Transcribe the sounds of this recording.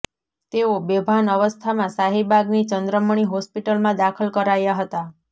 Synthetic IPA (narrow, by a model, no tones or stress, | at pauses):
t̪eobebʱanəʋəst̪ʰamãsaɦibʱaɡnit͡ʃənd̪ɾəməɳ̃iɦɔspiʈəlmãd̪akʰəlkəɾajaɦət̪a